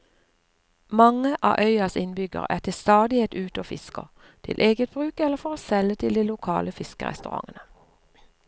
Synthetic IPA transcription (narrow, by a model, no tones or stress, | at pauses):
mɑŋəʔɑ̰ːʔœʏɑsɪnbʏɡə̰ʁæ̰ːt̪ʰɪlst̪ɑːd̪ɪɛt̪ʉːt̪oːfɪ̰skə̰ | t̪ʰɪ̰lʔeːɡət̪̚bʁʉːkɛlːəfɔʁoːsɛlət̪ʰɪld̪iːlʊkʰɑ̰ːləfɪskəʁɛ̰st̪ʉʁɑ̰ŋənə